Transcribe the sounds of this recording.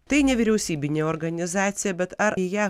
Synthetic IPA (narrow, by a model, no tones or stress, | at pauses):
t̪ɐɪnʲɛʋʲɪɾʲɛʊsʲiːbʲɪnʲeːɔːɾɡɐnʲɪzɑːt̪sʲɪjɛbʲɛt̪ɐɾjɛ